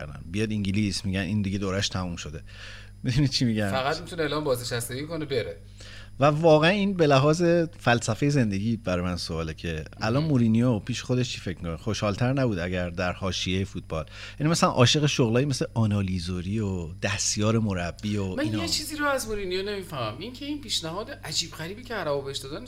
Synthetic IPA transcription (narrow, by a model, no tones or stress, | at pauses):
næ̰nbijɒd̪iŋɟilismiɟænʔiːnd̪iɟe̞d̪oːɾæʃt̪ʰæmumʃo̞d̪e̞ | mid̪unid̪̥̚t͡ʃʰimiɟæfæɣæt̪̚mit̪uneeːlɒːmbɒːzneʃæst̪eɡikonebeɾe | vævɒːɣeæniːnbe̞læɦɒːze̞fælsæfe̞jeze̞nd̪e̞ɟiːbæɾɒːjmænsoɒːlecʰe̞æ̰lɒːnmoɾinijopʰiːʃexod̪eʃt͡ʃʰife̞cʰmikʰonexoʃhɒːlt̪ʰæɾnæbuːd̪æɟæɾd̪æɾhɒːʃijejefuːt̪̚ʰb̥ɒ̰ːljænimæsælænʔɒ̰ːʃe̞ɣeʃoɣlɒːjimesleʔɒːnɒːlizoɾiod̪̥æst̪jɒːɾe̞moɾæbːiomæniːnet͡ʃʰiːziːɾoæzmoɾinijone̞miːfæhmæmiŋcʰe̞inpiːʃnæɦɒːd̪eʔæd͡ʒiːbɣæɾiːbiːcʰeæɾæbɔbeeʃd̪ɒːd̪æn